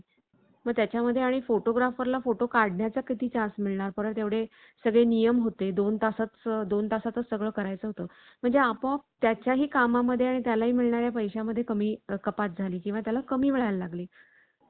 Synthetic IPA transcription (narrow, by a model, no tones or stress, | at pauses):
məɡ̚t̪jat͡ɕjaməd̪ʱːjeaɽ̃ifoʈoɡɾafəɾlafoʈokaɽɳjat͡sakit̪iːt͡ɕãsmiɭɳaɾpəɾəɾt̪eʋɽe | səɡɭenijəmɦot̪ed̪ont̪asət͡sd̪ont̪asat̪əsəɡɭəːkəɾajt͡səɦot̪əː | m̤əɳd͡zeapət̪jat͡ɕjaɦiːkamaməd̪ʱːjeaɽ̃it̪jalaɦiːmiɭɳaɾjapəjɕaməd̪ʱːjekəmiːəkəpat̪̚d͡zʱaliːkĩw̃ʋat̪jalakəmiːmiɭajllaɡliː